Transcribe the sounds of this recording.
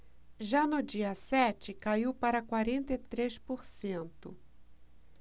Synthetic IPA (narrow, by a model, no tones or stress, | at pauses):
ʒanʊd͡ʒiɐsɛt͡ʃɪkaiwpaɾɐkwaɾẽnt̪ɐt̪ɾespoɾsẽnt̪ʊ